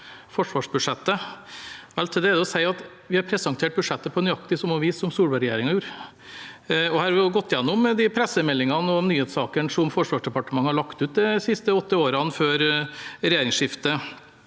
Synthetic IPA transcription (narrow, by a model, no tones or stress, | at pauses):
fɔʂʋɑːʂbʉʂɛt̪ːə | ʋɛlt̪ʰɪld̪ɛːd̪ɛɔsæɪɑt̪ | ʋɪhɑɾpʰɾɛsɑŋt̪ʰeːʈ̚bʉʂɛt̪ːəpʰɔnʏɑk̚t̪ɪsɔmɑʋiːsːɔmsuːlbɑlɾɛjḛːɾɪŋɑjuːɾ | ɔhæːɾɑʋɪjʊɡɔt̪ːjɛnːʊmd̪ɪpʰɾɛsəmɛlːɪŋɑnəɔnyːheːt̪sɑːkənʂɔmfɔʂʋɑːʂɖɛpɑʈəmɑŋːəhɑɭɑkt̪ʉːt̪̚d̪ɛsɪst̪əɔt̪ːəoːɾəɑnføːɾɾɛjeːɾɪŋsʂɪft̪ə